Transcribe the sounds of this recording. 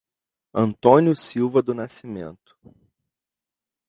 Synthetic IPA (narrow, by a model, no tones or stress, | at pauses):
ɐ̃nt̪õnjʊsiwvɐd̪ʊnasimḛ̃nt̪ʊ̥